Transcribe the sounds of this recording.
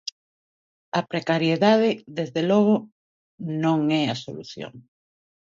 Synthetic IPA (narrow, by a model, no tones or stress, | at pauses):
ɐpɾekaɾjeðað̞ɪðezðelɔɣ̞ʊ | nõŋɛaso̰lṵθjo̰ŋ